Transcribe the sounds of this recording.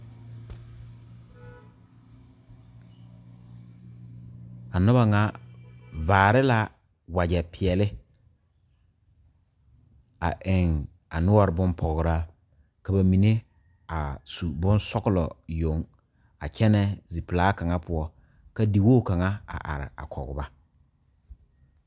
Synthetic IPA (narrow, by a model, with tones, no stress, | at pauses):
a˨nʊ˦ba˨ŋa˦ | vaː˨ɾɪ˦la˦ | wa˨d͡ʒɛ˨pʰi˨ɛ˨lɪ˦ | a̰˨ʔɪ˨ŋ | a˨nʊ˦ɔ˨ɾɪ˨bʊ˦mpʰɔ˨ɣɾa˦ | ka˨ba˨mi˨ne˦ | a˨su˨bʊ̃˦n˦sɔ˦kʊ˦lɔ˨jo˨ŋ | a˨t͡ʃɛ˦nɛ˦zi˨pɪ˨laː˦ka˨ŋa˦pʊ˨˦ɔ˦ | ka˦di˨woː˦˨ka˨ŋa˦a̰˨ʔa̰˨ɾɪ̰˨a̰˨kʰɔ̰˨ɡʊ̰˨ba˦